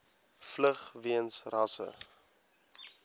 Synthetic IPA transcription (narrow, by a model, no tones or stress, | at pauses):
fləχviənsrɐsə̰